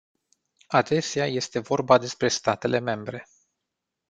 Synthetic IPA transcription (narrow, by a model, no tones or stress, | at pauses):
ad̪e̞seaje̞st̪e̞vo̞rbad̪e̞spɾe̞st̪at̪e̞le̞me̞mbɾe̞